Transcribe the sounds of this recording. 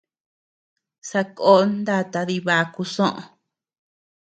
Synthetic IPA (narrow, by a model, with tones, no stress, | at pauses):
sa˧ko˦nd̪a˦t̪a˧ði˧βa˧ku˧sõ˦ʔõ̰˧